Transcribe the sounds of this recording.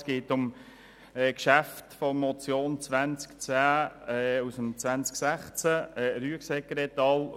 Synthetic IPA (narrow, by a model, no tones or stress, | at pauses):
sɡ̥eːtʊm | ɛːkʃæft̪fɔmɔt͡sjoːnt͡sʋænt͡skt͡saːɛusəmt͡svænt͡sksæχt͡sæɛɾyəksɛkɾɛt̪ɑːl